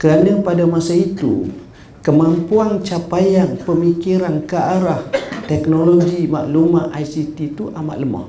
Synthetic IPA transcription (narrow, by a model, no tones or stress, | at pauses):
kəɾanə̃padamasait̪ṵ | kəmãmpuaŋt͡ʃapajaŋpəmikiɾankəaɾaht̪ɛknoloɡimaʔlumaʔajsit̪it̪uʔama̰ʔləmɔ̰h